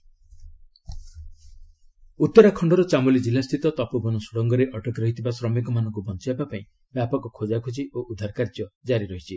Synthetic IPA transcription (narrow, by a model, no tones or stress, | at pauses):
ut̪ːɔɾakʰɔɳɖɔɾɔt͡ʃamulid͡ʒilast̪ʰit̪ɔt̪ɔpubɔnusuɽɔŋɡɔɾeʔɔʈɔkɾɔɦit̪ʰibasɾɔmikɔmanɔ̃ŋkubɔnt͡ʃibabapaĩ | bjapɔkɔkʰod͡ʒakʰud͡ʒiʔoʔud̪ʱaɾkaɾd͡ʒjɔd͡ʒaɾiɾɔɦit͡ʃʰi